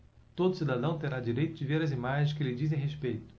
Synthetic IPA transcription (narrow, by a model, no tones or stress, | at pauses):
t̪od̪ʊsid̪ad̪ɐ̃w̃t̪eɾad͡ʒiɾejt̪ʊd͡ʒɪveɾɐzimaʒẽʃkɪlɪd͡ʒizẽj̃ɦespejt̪ʊ̥